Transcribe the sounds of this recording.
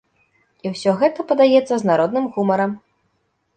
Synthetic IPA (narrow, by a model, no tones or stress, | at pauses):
iwsʲɔɣɛt̪ɐpɐd̪ajɛt̪sːɐznaɾɔd̪nɨmɣumɐɾɐm